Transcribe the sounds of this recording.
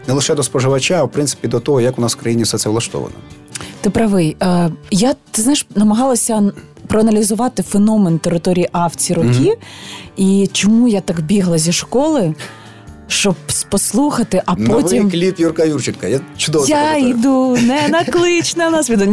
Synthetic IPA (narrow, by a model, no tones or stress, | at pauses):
nɛlˠɪʃɛd̪ɔspɔʒɪʋɐt͡ʃaːwpɾɪnt̪sɪ̥pʲid̪ɔt̪ɔɦɔjɐkʊnɑswkɾɐjinʲisɛt̪sɛʋlˠɐʃt̪ɔ̰ʋɐ̰nɐ̰t̪ɪpɾɐʋɪjɐjat̪ɪznajɪʃnɐmɐɦɑlˠɐsʲɐ | pɾɔɐnɐlʲizʊʋɑt̪ɪfenɔment̪eɾɪt̪ɔɾʲijiʔɑwt͡sʲiɾɔkʲi | it͡ʃɔmujat̪ɑkbʲiɦlˠɐzʲiʃkɔlˠɪ | ʃt͡ʃɔbspɔslˠuxɐt̪ɪʔɐpnɔimklʲip̪jurkɐjurt͡ʃɪnkɐjat͡ʃʊd̪ɔɔjaid̪unɛnɐklˠɪt͡ʃnɛnasʋʲid̪ʊ